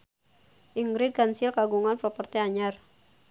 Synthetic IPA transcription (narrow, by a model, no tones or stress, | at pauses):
ʔiŋɡɾid̚kansilkaɡuŋanpɾɔpərt̪ɛaɲar